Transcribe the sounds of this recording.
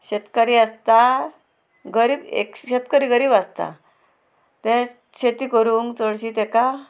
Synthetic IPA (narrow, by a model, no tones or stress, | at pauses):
ɕet̪kaɾiːast̪a | ɡəɾiːbḛkɕet̪kəɾiːɡəɾiːbast̪a̰ | t̪ɛ̃ | ɕet̪iːkəɾuːŋɡt͡səɭɕiːt̪ɛka